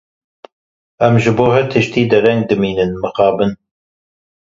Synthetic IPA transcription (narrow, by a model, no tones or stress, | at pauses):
ɛmʒɨboːɦɛt̪ʰɨʃt̪iːd̪ɛɾɛŋɡ̚d̪ɨmiːnɨnmɨxɑːbɨn